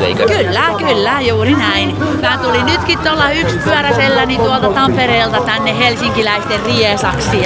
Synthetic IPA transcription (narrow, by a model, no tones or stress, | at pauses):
ḛkylːækylːæjuːrinæin | mæːt̪ulinnyt̪kit̪t̪olːɑykspyœræselːænit̪uɑlt̪ɑt̪ɑmpereːlt̪ɑt̪ænːehelsiŋkilæist̪erriesɑksi